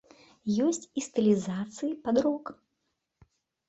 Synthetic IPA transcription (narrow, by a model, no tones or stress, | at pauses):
jɔsʲt͡sʲist̪ɨlʲizat̪sɨjipad̪ɾɔk